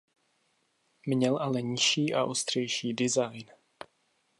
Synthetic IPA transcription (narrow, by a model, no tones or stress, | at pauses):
mɲɛlʔalɛɲɪʃiːʔa̰ʔost̪r̝̥ɛjʃiːdɪzajn